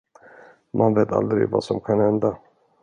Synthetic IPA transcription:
mʔanveːt̪a̰ld̪ɾɪ̰ɡvasɔmkʰanhɛnd̪a

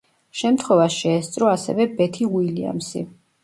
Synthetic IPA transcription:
ʃɛmt̪ʰχwɛvaʃiɛst̪sʼɾɔasɛ̰vɛbɛt̪ʰiwilia̰msḭ

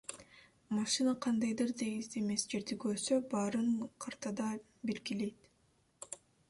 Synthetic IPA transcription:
mɑʃɨnaqʰɑnd̪ɑjd̪ɯɾd̪eɡizeme̞sd͡ʒe̞ɾd̪iɡøɾsøbɑɾɯɴqʰɑɾt̪ɑd̪ɑ | belɡʲile̞jt̪

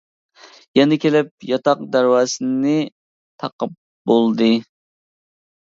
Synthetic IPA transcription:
jɛnɪkʲʰelɪp̚jɑt̪ɑq̚d̪æɾwɑːsɨnɪ | t̪ʰɑqəp̚ | bolˠd̪ɨ

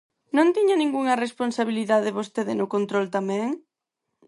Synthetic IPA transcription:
nõnt̪iɲɐnĩŋɡuŋɐresponsaβiliðaðeβost̪eðɪnʊkont̪ɾolt̪amɛ̃ŋ

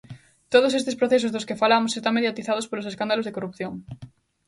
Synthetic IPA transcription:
t̪oð̞osest̪espɾoθes̬ozðoskefalamosest̪aŋmeðjat̪iθað̞ospoloseskand̪alozðekorup̚θjõŋ

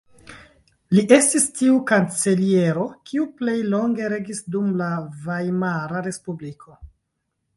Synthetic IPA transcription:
liʔe̞stistiukant͡selie̞ɾo̞kʰiuple̞jlo̞ŋɡe̞ɾe̞ɡisdumlavajmaɾaɾe̞spublikʰo̞

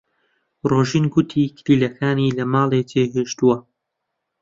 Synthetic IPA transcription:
roːʒiːnɡut̪ʰikʰɾiːlɐkʰaːnilɐmaːlˠet͡ʃeɦeʃt̪uwɐ

